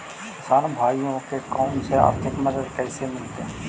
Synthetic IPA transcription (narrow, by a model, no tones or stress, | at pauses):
kɪsaːnbʱaːijõkekaːnsea̰ːɾt̪ʰɪkmɐd̪əd̪kɛːsemɪlt̪e